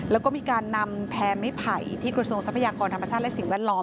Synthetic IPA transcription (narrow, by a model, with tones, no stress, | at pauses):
lɛː˦˥kɔː˥˩miː˧kaː˧nːa˧mpʰɛː˦˥ma˥˩jpʰa˨˩jt̪ʰiː˥˩kɾa˧su˧əŋsa˦˥pʰːa˧jaː˧kɔː˧nt̪ʰa˧mːa˧t͡ɕʰaː˥˩t̚lɛ˦˥ʔsi˨˩˦ŋwɛː˥˩t̚lɔː˦˥m